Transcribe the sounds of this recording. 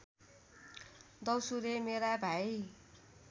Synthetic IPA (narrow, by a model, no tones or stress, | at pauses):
d̪ʌwsuɾemeɾabʱaj